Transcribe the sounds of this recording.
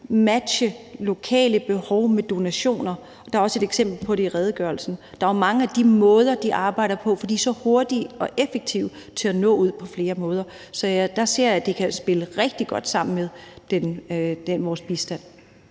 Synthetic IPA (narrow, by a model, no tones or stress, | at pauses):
mæd̥ɕəlo̝kʰɛ̰ːləb̥e̝hɒʊmed̥o̝næɕo̝̰ːnɐ | ɒd̥ɑ̈ɐɒ̽səe̝d̥eɡ̥sem̰b̥l̩pʰɒ̽ɾe̝iʁɛːð̞ˠəɡ̥ɶɐlsn̩d̥ɑ̈æɐmɑ̈ŋəæd̥imɔ̽ːð̞ˠɐd̥iʔɑ̈ːb̥ɑ̈ɪ̰d̥ɐpʰɒ̽fɒ̽d̥ḭːsɒ̽ho̝ɐd̥iɒ̽ʔefeɡ̥̚t͡sʰiʊ̰ | t͡sʰe̝ænɔ̰̽ːuð̞̰ˠpʰɒ̽fle̝ːɐmɔ̽ːð̞ˠɐ | sɒ̽jæd̥ɑ̈se̝ɐ̰æd̥ekʰæsb̥e̝ləʁɛɡ̥d̥iɡ̥ɒ̽d̥sɑ̈m̰n̩meðˠd̥end̥enʋɒːsb̥isd̥æn̰